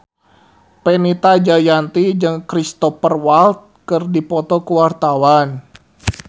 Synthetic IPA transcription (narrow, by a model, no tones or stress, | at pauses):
pɛnit̪ad͡ʒajant̪id͡ʒɨŋkɾist̪ɔfərwalt̪̚kɨrdipɔt̪ɔkəwart̪awan